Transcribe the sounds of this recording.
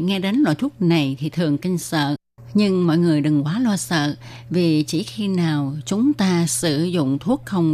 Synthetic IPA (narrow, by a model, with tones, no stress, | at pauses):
ŋɛ˧ɗe˨˦nlwa̰˧˨jt̪ʰu˦˥ək̚na˨˩jt̪ʰi˨˩t̪ʰɨ˨˩əŋkï˧ŋ̟sə̰ː˧˨ | ɲɨ˧ŋmɔ̰˧˨jŋɨ˨˩əjɗɨ˨˩ŋkwaː˨˦lwaː˧sə̰ː˧˨ | vi˨˩t͡ɕḭ˧˩xi˧naː˨˩wt͡ɕʊ˨˦ŋ͡mt̪aː˧sɨ˧˩zʊ̰˧˨ŋ͡mt̪ʰu˦˥ək̚xə˧wŋ͡m